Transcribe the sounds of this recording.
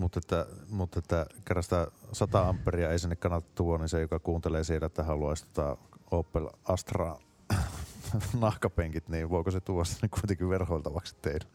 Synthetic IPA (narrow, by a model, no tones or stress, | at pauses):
mut̪ːet̪ːæmut̪ːet̪ːækerːɑsi̥t̪æsɑt̪ɑɑmpːeriɑeˑisinːekɑnːɑt̪ːɑt̪t̪uʋoninsejokɑkuːnt̪eleːsiːlæet̪ːæhɑluɑˑesʲt̪ot̪ɑoˑːpːelʔɑst̪rɑ | nɑhkɑpeŋkit̪niːʋʋoˑikoset̪uʋost̪ɑnːikkuit̪eŋkiʋʋerhoˑilt̪ɑʋɑksi̥t̪t̪eˑinæ